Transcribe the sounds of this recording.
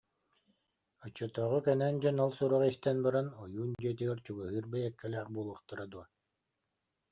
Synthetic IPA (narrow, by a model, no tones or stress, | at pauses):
ɔt͡ɕːɯt̪ɔːʁukɛnɛnd͡ʑɔnalˠsuɾɔʁist̪ɛnbaɾanɔjuːnd͡ʑiɛt̪̬iɡɛɾt͡ɕuɡɯɦɯːɾbɛjɛkːɛlæːχbuɔlˠuχt̪aɾad̪uɐ